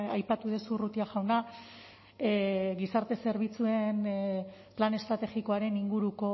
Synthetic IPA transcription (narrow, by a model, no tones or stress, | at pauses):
ajpat̪uðesurut̪iaʝawna | ɡisaɾt̪e̞se̞ɾβ̞it͡sue̞n | plane̞st̪ɾat̪e̞ɣiko̞aɾe̞niŋɡuɾuko̞